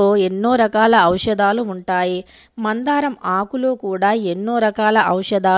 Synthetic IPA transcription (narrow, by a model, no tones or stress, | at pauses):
oːe̞nːo̞ːɾɐkaːlɐɐwʂɐd̪aːluːɳʈaːji | mɐnd̪aːɾɐmaːkuloːkuːɽaːenːoːɾɐkaːlɐʔɐwʂɐd̪aː